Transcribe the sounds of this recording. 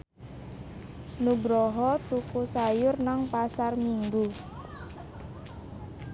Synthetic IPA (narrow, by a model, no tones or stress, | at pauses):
nuɡɾɔɦɔt̪ukusajʊrnaŋpasarmiŋɡu